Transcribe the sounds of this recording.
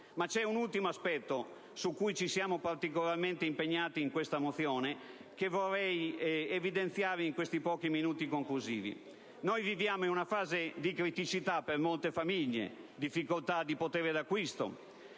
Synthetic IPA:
mat͡ʃɛunult̪imoaspɛt̪ːo | sukːujt͡ʃisjaːmopart̪ikolarment̪eimpeɲːaːt̪iːŋkwest̪amot̪θjɔːnekevorːɛjevid̪ent̪θjaːɾeiŋkwest̪ipɔːkiminuːt̪ikoŋkluzḭːvḭ | nojvivjaːmoinunafaːzed̪ikɾit̪it͡ʃit̪apermolt̪efamiʎːḛd̪ifːikolt̪ad̪ipot̪ɛːɾed̪akːwist̪o̰

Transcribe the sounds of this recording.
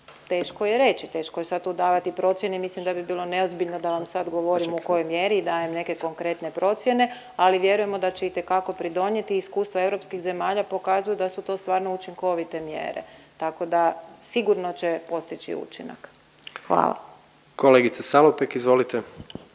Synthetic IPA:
t̪e̞ːʃkojeɾe̞t͡ɕit̪e̞ːʃkojesad̪̚t̪ud̪aːʋat̪ipɾo̞t̪sjenemislimd̪abibiːlˠo̞ne̞ozbiʎnod̪aʋamsad̪ɡo̞ʋo̞ɾimuko̞jojmjeɾiːd̪aːjemne̞ke̞ko̞ŋkɾe̞t̪ne̞pɾo̞t̪sje̞ne̞ | aliʋje̞ɾuje̞mo̞d̪at͡ɕeit̪e̞kako̞pɾid̪o̞ɲje̞t̪iːskuːst̪ʋae̞ʋɾo̞pskixze̞maːʎapo̞kazujud̪asut̪o̞ːst̪ʋaːɾnout͡ʃiŋko̞ʋit̪e̞mjḛːɾḛt̪ako̞d̪asiɡuɾno̞t͡ɕe̞po̞st̪it͡ʃḭṵt͡ʃḭna̰k | xʋa̰ːlˠa̰ | koleɡit̪sesalopekizʋo̞lit̪e

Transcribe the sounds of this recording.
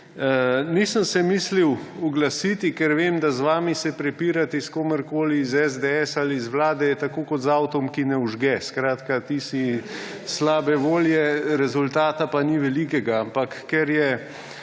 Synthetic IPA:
nisəmsɛmiːsliwuɡlasiːt̪ikɛɾʋeːmd̪azʋaːmisɛpɾɛpiːɾat̪iskoːmɛɾkoːlizɛzd̪eɛsalizʋlaːd̪ɛjɛt̪akoːkɔt̪zawt̪ɔmkinɛuʒɡɛskɾaːt̪kat̪isi | slaːbɛʋoːljɛɾɛzʊlt̪aːt̪apaniʋɛlikɛɡaampakːɛɾjɛ

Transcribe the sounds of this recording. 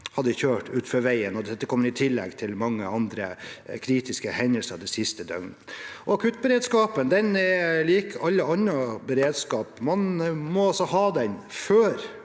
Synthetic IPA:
hɑd̪ːəçøːʈʉːt̪fɔɾʋæɪənɔd̪ɛt̪ːəkʰɔmːəɾɪt̪ʰɪlːɛ̰ɡt̪ʰɪlmɑŋːəɑnd̪ɾə̰kʰɾiːt̪ɪskəhɛɲnəlsəɑd̪ɛsɪst̪əd̪œ̰ɡnʔɔɑkʰʉt̪̚bəɾeːd̪skɑːpənd̪ɛnɛɾliːkʰɑlːəɑnːəbəɾeːd̪skɑːpmɑnmɔɑlsɔhɑːd̪ɛnføːɾ

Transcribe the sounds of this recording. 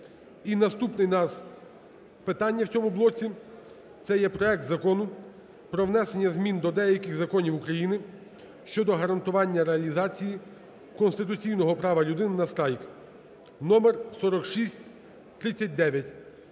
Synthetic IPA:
inɐst̪upnɪjnɑz | pɪt̪ɑnʲːɐwt͡sʲɔmʊblˠɔt͡sʲi | t̪sɛjɛpɾɔɛk̚t̪zɐkɔnʊ | pɾɔʋnɛsenʲːɐzmʲind̪ɔd̪ɛjɐkɪɣzɐkɔnʲiwʊkɾɐjinɪ | ʃt͡ʃɔd̪ɔɦɐɾɐnt̪ʊʋɑnʲːɐɾeɐlʲizɑt͡sʲiji | kɔnst̪ɪt̪ʊt͡sʲijnɔɦɔpɾɑʋɐlʲʊd̪ɪnnɐst̪ɾɑjk | nɔmɛrsɔɾɔkʃisʲtʲ | t̪ɾɪt͡sʲːɐt̚ʲd̪ɛʋʲjɐtʲ

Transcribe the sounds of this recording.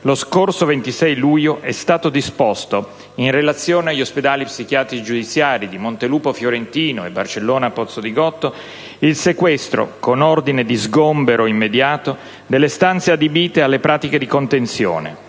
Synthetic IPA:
loskorsovent̪isɛjlujoʔɛst̪aːt̪od̪ispost̪o | inrelat̪sːjoːneaʎːosped̪aːlipsik̟jaːt̪ɾiid͡ʒud̪it̪sːjaːɾid̪imont̪eluːpofjoɾent̪iːnoebːa̰rt͡ʃelːoːnapɔt̪sːod̪iɡɔt̪ːo | ilsekwɛst̪ɾo̰konord̪ined̪izɡombeɾoimːed̪jaːt̪o | d̪elːest̪ant̪sead̪ebiːt̪ealːepɾʔaːt̪iked̪ikont̪ensjo̰ːnḛ

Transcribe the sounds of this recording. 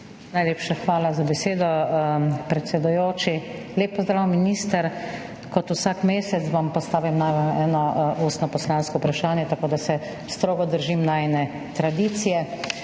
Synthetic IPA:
najleːpʃaxʋaːlazabɛseːd̪ɔ | pɾɛt̪sɛd̪ujoːt͡ʃi | leːpːɔzd̪ɾaːwminist̪əɾ | kɔt̪usaːkmeːsɛt̪sʋampɔst̪aːʋimnajʋanɛːnɔʔuːst̪nɔpɔslanskɔupɾaʃaːnjɛt̪akoːd̪asɛ | st̪ɾoːɡɔd̪əɾʒimnaɛnɛ | t̪ɾad̪iːt̪sijɛ

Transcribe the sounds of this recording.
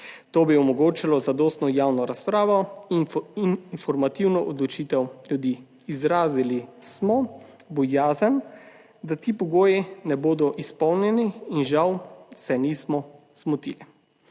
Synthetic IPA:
t̪oːbiɔmɔɡoːt͡ʃilɔzad̪ɔːst̪nɔjaːwnɔɾaspɾaːʋɔ | ninfɔɾmat̪iwnɔʔɔd̪lɔt͡ʃit̪ɛwlʲjud̪iː | zɾaːzilismɔ | bɔjaːzən | d̪at̪iːpɔɡoːjinɛboːd̪ɔʔispɔwnjɛniːnʒawsɛniːsmɔ | z̥mut̪ḭːli

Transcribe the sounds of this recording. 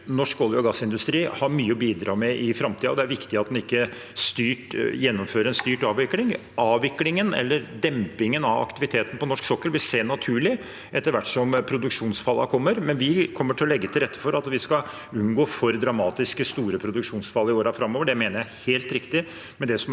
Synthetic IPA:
nɔʂkɔljɔɡɑsːɪnd̪ʉst̪ɾiːhɑɾmyːəɔbiːd̪ɾɑːmɛʔɪfɾɑmt̪ʰiːəɔd̪ɛæɾʋɪkt̪ɪɑt̪̚d̪ɛnɪkːə | st̪yːʈjɛnːɔmføːɾəɛnst̪yːʈɑːʋɪklɪŋ | ɑːʋʋɪklɪŋənɛ̰lːəɾd̪ɛmpɪŋənɑʋɑ̰kt̪ɪʋɪt̪ʰeːt̪n̩əpɔnɔʂksɔkːəɾʋɪlseːnɑt̪ʰʉːɭɪ | ʔɛt̪ːəɾʋæʈːsɔmpʰɾʊd̪ʉkʂuːnsfɑlːɑ̰kʰɔmːəɾmɛnʋɪkʰɔmːəʈʰɪlɔlɛɡːət̪ʰɪlɾɛt̪ːə̥fɔɾɑt̪ʋɪskɑ | ʉnɡoːfɔɾd̪ɾɑmɑːt̪ɪskəst̪uːɾəpʰɾʊd̪ʉkʂuːnsfɑlːɪoːɾɑfɾɑmːoːʋəɖɛmeːnəɾjæɪheːlt̪ɾɪkt̪ɪ | mɛd̪ɛsɔm

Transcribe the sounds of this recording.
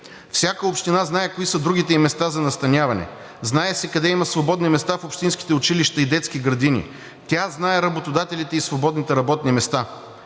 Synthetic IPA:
fsʲakəopʃt̪inaznaɛkoisəd̪ɾuɡ̟it̪ɛimɛst̪azɐnɐst̪ɐnʲavɐnɛ̰ | znaɛsɛkɐd̪ɛimɐsvobɔd̪nimɛst̪afopʃt̪inski̥t̪ɛʊt͡ʃiliʃt̪ɐid̪ɛt̪skiɡɾɐd̪inḭ | t̪ʲjaznaɛɾɐbot̪od̪at̪ɛlit̪ɛisvobɔd̪nit̪ɛɾɐbɔt̪̚nimɛst̪a

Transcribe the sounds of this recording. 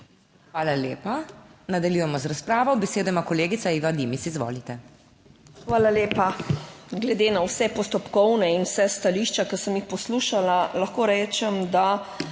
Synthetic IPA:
xʋaːlaleːpanad̪aljujɛmɔzɾaspɾaːʋɔwbɛseːd̪ɔjimakɔleːɡit̪saiʋad̪imisizʋo̰ːlit̪ɛ | xʋaːlaleːpaɡlɛd̪eːnawsɛpɔst̪ɔpkɔwnɛinwsɛst̪aliʃt͡ʃakɐsəmjixpɔsluːʃalalɐxkoːɾɛːt͡ʃɛmd̪a

